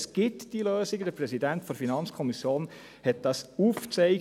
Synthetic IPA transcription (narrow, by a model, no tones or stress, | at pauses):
sɡ̥ɪtd̥iløːsiɡəd̥̪əɾprɛsidæntfɔɾfinɑnt͡skʰɔmisjoːn | hɛt̚d̥ɑsuːft͡sɛɪ